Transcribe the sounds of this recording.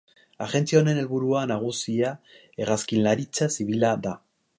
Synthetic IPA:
aɣe̞nt͡sione̞ne̞lβuɾuanaɣ̞usia | e̞ɣaskillaɾit͡sasiβ̞ilaða

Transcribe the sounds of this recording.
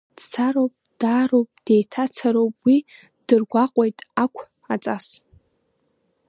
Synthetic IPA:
d̥t͡sʰaɾowpʼd̥aːɾowpʼd̥e̞jtʰat͡sʰaɾowpʼwi | d̥ɨrɡʷaqʷʼo̞jtʼakʷʰ | at͡sʼas

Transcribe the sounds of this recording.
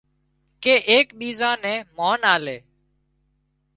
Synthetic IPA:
keːʔeːkɓiːzãːnɛ̃ːmoːnaːleː

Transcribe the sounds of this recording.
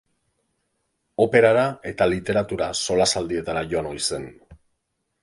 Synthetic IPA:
o̞pe̞ɾaɾae̞t̪alit̪e̞ɾat̪uɾaso̞lasald̪ie̞t̪aɾaʝo̞ano̞jse̞n

